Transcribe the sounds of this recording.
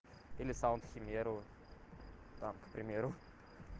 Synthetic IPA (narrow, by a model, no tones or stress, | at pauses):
elisãwnt̪ximeɾu | t̪amkpɾimeɾu